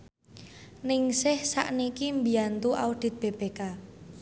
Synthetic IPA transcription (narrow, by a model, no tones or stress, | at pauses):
nɪŋsɪhsa̰ʔnikimbiant̪uʔaud̪̥i̤t̪̚b̥eb̥eka